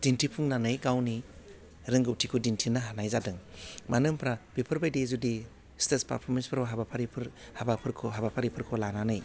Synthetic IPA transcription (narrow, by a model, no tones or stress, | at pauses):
dintʰipʰuŋnanɯjɡawni | ɾɯŋɡɯwtʰikʰudintʰinaɦanajzadɯŋmanɯmpʰɾabipʰɯɾbajdizudi | stespa̰ɾpʰɔɾmenspʰɾawɦabapʰaɾipʰɯɾhabapʰɯɾkʰɔɦabapʰaɾipʰɯɾkʰɔlananɯj